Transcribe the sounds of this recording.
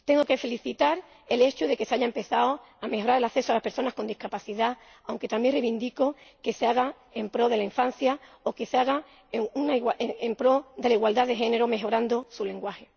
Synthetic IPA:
t̪e̞ŋɡo̞ke̞fe̞liθit̪aɾ | e̞le̞t͡ʃuðe̞ke̞seaʝaempe̞θao | ame̞xɦo̞ɾaɾe̞laθe̞soalaspe̞ɾso̞nasko̞nd̪ihkapaθiða | awŋke̞t̪ambje̞nreβind̪iko̞ke̞seaɣa | empɾo̞ðe̞laiɱfãn̟θjao̞ke̞seaɣa | eunaiwaeempɾo̞ðe̞laiɣwald̪aðe̞xe̞ne̞ɾome̞ɦo̞ɾand̪osule̞ŋɡwaxe̞

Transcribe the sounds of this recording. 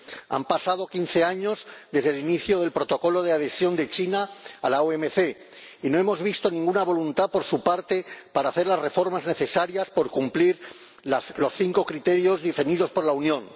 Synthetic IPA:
a̰mpasað̞o̞kin̟θe̞aɲo̞zðe̞zðe̞liniθjoð̞e̞lpɾo̞t̪o̞ko̞lo̞ð̞eað̞e̞sjo̞nd̪e̞t͡ʃinaːlaoemeθe̞ | ino̞e̞mo̞zβist̪o̞nĩŋɡunaβo̞lunt̪apo̞ɾsupaɾt̪e̞paɾaːθe̞ɾlazre̞fo̞ɾmazne̞θe̞saɾjaspo̞ɾkumpliɾ | lalo̞sθiŋko̞kɾit̪e̞ɾjo̞zðifeniðo̞spo̞ɾlaunjõ̞n

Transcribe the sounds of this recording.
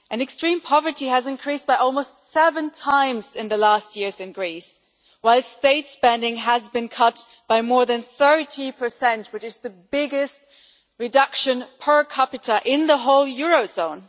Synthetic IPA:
ʔɨ̃nɨkstɹ̥ĩmpʰɑvə˞ɾiɨzɨ̃nkʰɹ̥isb̥aɪʔɔlˠmoʊstsɛvɨ̃ntʰãɪ̃mzɨ̃nðɨlæst̚jɪɹzɨ̃nɡɹis | waɪlˠsteɪtspɛ̃ndɪ̃ŋəzbɨ̃nkʰʌt̚ | b̥aɪmɔɹðɨ̃nθɜ˞ɾipʰə˞sɛ̃nt̚wɨt͡ʃɨzðɨbɪɡɨst̚ | ɹɨdʌkʃɨ̃npʰə˞kʰɑpɨɾəʔɪ̃nðəɦoʊlˠjʊɹoʊzõʊ̃n

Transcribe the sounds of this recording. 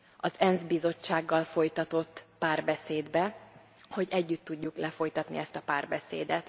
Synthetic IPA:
ɒzɛnzbizo̞t͡ʃːaːɡːɒlfo̞jt̪ɒt̪o̞t̪ːpaːrbɛseːd̪bɛ | ho̞ɟɛɟːyt̪ːuɟːuklɛfo̞jt̪ɒt̪nḭɛst̪ɒpaːrbɛsḛːd̪ɛt̪

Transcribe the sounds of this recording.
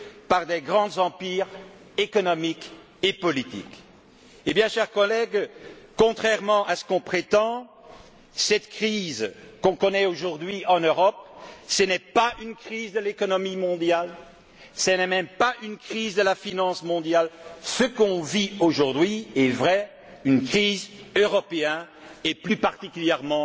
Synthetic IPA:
paʁd̪ɛɡʁɑ̃d̪zɑ̃piːʁ | ekɔnɔmik | epɔlit̪ḭk | ebjɛ̃ʃɛʁkɔlɛɡkɔ̃t̪χɛʁmɑ̃ʔasə̥kɔ̃pχet̪ɑ̃ | sɛt̪kχizkɔ̃kɔnɛoʒuʁd̪ɥiʔɑ̃nøʁɔp̚sənɛpaynkχizd̪əlekɔnɔmimɔ̃d̪jal | sənɛmɛmpaynkχiːzd̪əlafinɑ̃smɔ̃d̪jalsəkɔ̃vioʒuʁd̪ɥiɛvʁɛ | ynkχiːzøʁɔpeɛn | ɛplypaʁt̪ikʲyljɛʁmɑ̃

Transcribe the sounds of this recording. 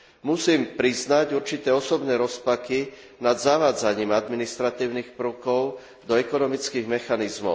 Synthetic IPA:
musiːmpɾiznaɟuɾt͡ʃit̪ɛːɔsɔbnɛːɾɔspaki | nad̪zaʋaːd͡zaɲiːmad̪minist̪ɾat̪iːʊnixpɾ̩ʊkɔʊ | d̪ɔɛkɔnɔmit͡skiːɣmɛxanizmɔ̰ʊ

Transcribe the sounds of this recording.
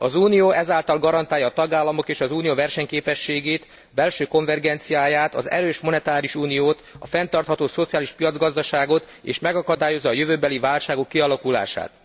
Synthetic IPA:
ɒzuːnijoːɛzaːlt̪ɒlɡɒɾɒnt̪aːjɒːt̪ɒɡaːlːɒmo̞keːʃɒzuːnijovɛrʃɛɲkeːpɛʃːeːɡeːt̪ | bɛlʃøːko̞ɱvɛrɡɛnt̪sijaːjaːt̪ɒ̰zɛ̰ɾøːʃmo̞nɛt̪aːɾiuʃuːnijoːt̪ɒ̰fɛnt̪ɒrt̪hɒt̪oːso̞t̪sijaːliʃpijɒd̪zɡɒzd̪ɒʃaːɡo̞t̪ | ḛːʃmɛɡɒkɒd̪aːjo̞zːɒːjøvøːbɛlivaːlʃaːɡo̞kːiɒlɒkula̰ːʃa̰ːt̪

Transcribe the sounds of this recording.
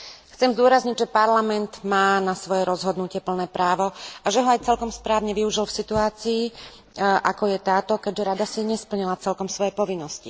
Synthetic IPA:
xt͡sɛmzd̪ʊɔɾazɲiɟʒɛpaɾlamɛnt̪maːnasʋɔjɛɾɔzɦɔd̪nucɪɛpl̩nɛːpɾaːʋɔaʒɛɦɔajt͡sɛlkɔmspɾaːʋɲɛʋiuʒilfsit̪uaːt͡siː | ʔakɔjɛt̪aːt̪ɔkɛɟʒɛɾad̪asiɲɛspl̩ɲilat͡sɛlkɔmsʋɔjɛpɔʋinːɔsci

